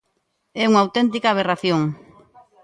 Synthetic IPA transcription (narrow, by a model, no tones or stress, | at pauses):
ɛuŋaːwt̪ɛnt̪̬ikaːβ̞eraθjoŋ